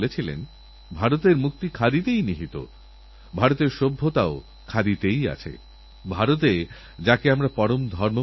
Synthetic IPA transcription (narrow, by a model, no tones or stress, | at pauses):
let͡ɕʰilḛn | bʱaɾot̪eɾmuk̚t̪ikʰad̪it̪ejniɦit̪o̰ | bʱaɾot̪eɾʃobʱːot̪ao | kʰad̪it̪eja̰t͡ɕʰḛ | bʱaɾot̪e | d͡ʑakeamɾapɔɾomd̪ʱɔɾmo